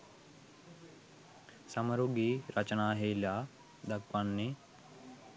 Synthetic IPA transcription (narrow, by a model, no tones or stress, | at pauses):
sɐməɾuɡiːɾɐt͡ʃənaːɦejlaː | d̪ɐkʋanːi